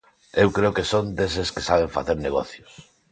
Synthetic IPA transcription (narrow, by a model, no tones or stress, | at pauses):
ewkɾeʊkesond̪es̬eskesaβ̞eɱfa̰θeɾneɣɔθjʊs